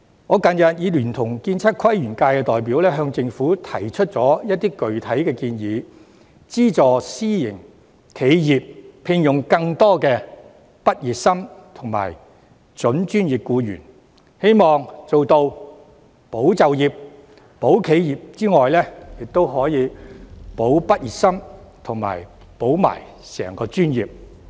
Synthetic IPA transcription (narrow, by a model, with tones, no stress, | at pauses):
ŋɔː˨˧kɐ˨˧njɐ˨t̚jiː˨˧lyː˨˩nt̪ʰʊ˨˩ŋkiː˧nt͡sʰɐ˥t̚kʰɐ˥jjyː˨˩nkaː˧jkɛː˧t̪ɔː˨˩jp̬iː˨˥wlɛː˥ɦœː˧ŋt͡sɪ˧ŋfuː˨˥t̪ʰɐ̰˨˩jt͡ʃʰɵ˥t̚t͡sɔː˨˥jɐ˥t̚t̪iː˥kɵ˨ɥt̪ʰɐ˨˥jkɛː˧kiː˧njiː˨˧ | t͡siː˥t͡sɔː˨siː˥jɪ̰˨˩ŋ | kʰe˨˧jjiː˨p̚pʰɪ˧ŋjʊ˨˩ŋkɐ˧ŋt̪ɔː˥kɛː˧ | pɐ˥t̚jiː˨t̚sɐ˥mt̪ʰʊ˨˩ŋma̰ː˨˩j | t͡sɵ˨˥nt͡ʃyː˥njiː˨p̚kuː˧jy̰ː˨˩n | he˥jmɔː˨ŋt͡so˨wt̪o˧w | po˨˥wt͡sɐ˨˧wjiː˨p̚ | po˨˥wkʰe˨˧jjiː˨p̚t͡siː˥ŋɔː˨jlɛː˥jɪ˨k̚t̪o˥wɦɔː˨˥jiː˨˧po˨˥wpɐ˥t̚jiː˨t̚sɐ˥mt̪ʰʊ˨˩ŋma̰ː˨˩j | po˨˥wma̰ː˨˩j | sɛ̰ː˨˩ŋkɔː˧t͡ʃyː˥njiː˨p̚